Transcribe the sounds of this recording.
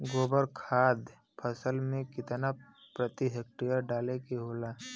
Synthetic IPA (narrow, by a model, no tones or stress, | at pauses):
ɡoːbəɾkʰaːd̪ | pʰəsəlmẽkɪt̪na | pɾət̪iɦek̚ʈijəɾɖaːlekeɦoːlaː